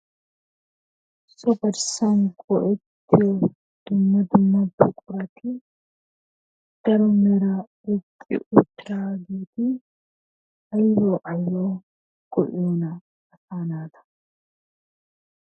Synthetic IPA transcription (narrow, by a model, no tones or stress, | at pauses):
sɔbɐɾsɐŋkɔʔɛt̪ːɪjo | d̪̥ʊmːɐd̪ʊmːɐbʊkʼʊɾɐt̪ʰɪ | d̥ɐɾɔmɛɾawɛkʼːɪ̰ʔʊt̪ːɪɾaːɡeːt̪ɪ | ɐjːoːʔɐjːoː | ɡ̥ɔʔoːnɐ | ɐfaːnaːt̪ɐ̥